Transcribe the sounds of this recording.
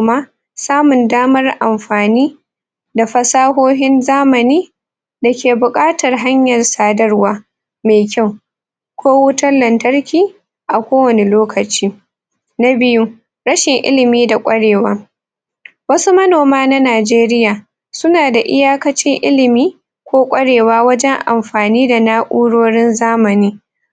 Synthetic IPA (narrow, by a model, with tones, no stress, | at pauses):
maː˦ | saː˦mʊ˨ndaː˦mɐ˦rʔa˨mɸaː˨niː˦ | da˨ɸɐ˦saː˦ɦoː˦ɦɪ˦nzaː˦mɐ˨niː˦ | da˨kʲeː˨bʊ˨kʼaː˦tɐ˨rɦa˦ɲjɐ˨rsaː˦dɐ˦rwaː˦ | meː˨kʲa˦˨w | kʷoː˦wʊ˦tɐ˦nlɐ˨ntɐ˦rkʲiː˦ | ʔa˨kʷoː˦wɐ˨ne˨loː˦kɐ˨t͡ʃiː˦ | na˦bɪ˦ju˦ | ɽɐ˦ʃɪ˨ŋʔɪ̰˦lɪ˨miː˦da˨kʷʼɐ˦ɽeː˨waː˦ | wɐ˦su˦mɐ˦noː˨maː˦na˦naː˨d͡ʒeː˦ɾɪ˦jaː˨ | sʊ˦naː˨da˨ʔɪ˦jaː˦kɐ˦t͡ʃɪ˦ŋʔɪ˦lɪ˨miː˦ | kʷoː˦kʷʼɐ˦ɽeː˨waː˦wɐ˦d͡ʒɛ˦ŋʔa˨mɸaː˨niː˦da˨naː˦ʔʷuː˦ɽoː˦ɽɪ˦nzaː˦mɐ˨niː˦